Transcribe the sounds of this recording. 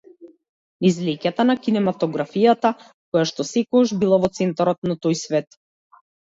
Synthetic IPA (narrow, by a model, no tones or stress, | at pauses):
izlɛcat̪anakinɛmat̪ɔɡɾafijat̪a | kɔjaʃt̪ɔsɛkɔaʒbilˠavɔt̪sɛnt̪aɾɔt̪nat̪ojsvɛt̪